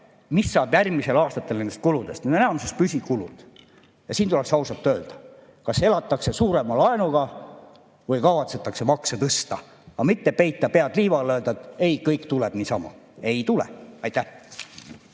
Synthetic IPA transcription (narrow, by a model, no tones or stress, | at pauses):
misːɑːb̥jærmise̞lɑːst̪ɑt̪ːˑelnend̪est̪kulud̪e̞st̪ned̪onenɑmsest̪̚pysʲikulṵd̪̥ | jɑsiːnt̪uleksɑwsɑt̪ːøːld̪̥ɑ̥ | kɑse̞lɑt̪ːˑɑkse̞suːɾe̞mɑlɑenuɡ̥ɑ | vɤjkɑvɑt̪se̞t̪ːˑɑkse̞mɑksɑt̪ɤst̪ɑ | ɑmit̪ːe̞pe̞jt̪ːˑɑpeɑd̪liːvɑløːld̪ɑet̪ːˑe̞jkɤjkt̪ulɛb̥niːsɑmɑ̰e̞jt̪ulɛ̰ɑjt̪ːæh